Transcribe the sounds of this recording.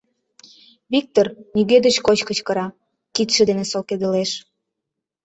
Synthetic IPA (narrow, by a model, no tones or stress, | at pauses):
βik̚t̪ornyɣed̪əɕkot͡ɕkət͡ɕkəɾɑ | kit̪ʃĕd̪enesolked̪ə̆leʃ